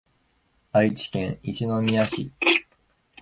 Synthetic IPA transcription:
ait͡ɕi̥kẽ̞ɰ̃iɕino̞mʲiaɕḭ

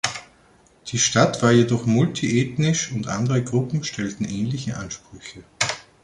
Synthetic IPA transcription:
d̥iːʃtatv̥aːɐjedɔχmʊltʰiʔeːtnɪʃʊntʔa̰ndəʁəɡʁʊpm̩ʃtʰɛltn̩ʔɛːnlɪçəʔanʃpʁ̥ʏçə

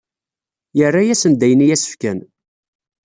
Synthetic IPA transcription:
jərːajæsənd̪æjənijæsə̥fkæn

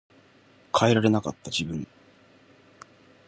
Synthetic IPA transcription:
kʰaeɾaɾe̞naka̰t̪ːad͡ʑibɯ̟̃ŋ

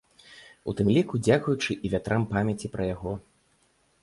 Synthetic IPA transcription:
ṵt̪ɨmlʲikud͡zʲakujut͡ʂɨʔivʲat̪ɾʔampamʲat͡sʲipɾɐjaɣɔ

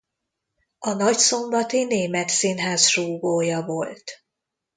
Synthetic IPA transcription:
ɒnɒcso̞mbɒt̪ineːmɛt̪sinɦaːsruːɡoːjɒvo̞lt̪

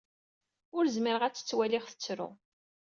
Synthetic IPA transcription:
ʊɾzmiɾəʁæt͡sːə̥t͡sːwæliχθə̥t͡sːɾʊ̰

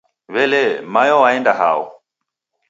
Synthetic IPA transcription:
βɛlɛmajɔwaɛndaɦa̰ɔ̰

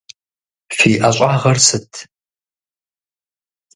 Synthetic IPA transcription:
fiːʔaɕʷʼaːʁɐrsɨtʰ

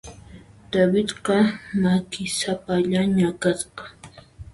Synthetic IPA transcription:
d̪̥abɪt̪qɑmakɪsapaʎaɲakasqɑ̥

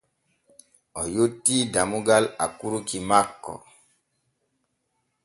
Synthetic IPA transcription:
ɔjotːidamuɡala̰kuɾukimakːɔ̰

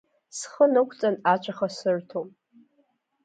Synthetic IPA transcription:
sχənɨkʷʰʼt͡sʼanat͡ʃʷʰʼaχasɨrtʰomʼ

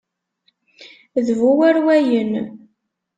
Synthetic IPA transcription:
ðvuwæɾwæjən

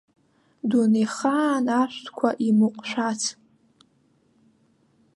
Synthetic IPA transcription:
duneχaːnaʃʷtʰkʷʰaʔimɨqʷʼʃʷᶣat͡sʰ

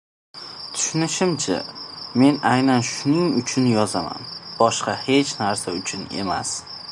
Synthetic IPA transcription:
t̪ʰʊ̥ʃnɪʃɪmt͡ʃʰa̰me̞najnanʃʊnɪŋʊt͡ʃʰʊnjɒzama̰nb̥ɒʃqɑhe̞t͡ʃʰnaɾsaʊt͡ʃʰʊne̞̰ma̰s

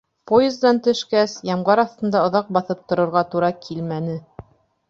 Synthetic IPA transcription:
pojezd̪ɑnt̪ɵ̆ʃkæsjɑmɢɑɾɑθt̪ɤ̆nd̪ɑŏðɑq̚bɑθɤp̚t̪ŏɾŏɾʁɑt̪uɾɑkʰilmænɘ

